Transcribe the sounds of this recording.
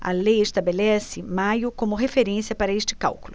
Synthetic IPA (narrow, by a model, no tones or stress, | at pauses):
ɐ̰lejest̪abelɛsɪmajʊkõmʊɦefeɾẽsiɐpaɾɐeʃt͡ʃɪ̥ka̰wkʊlʊ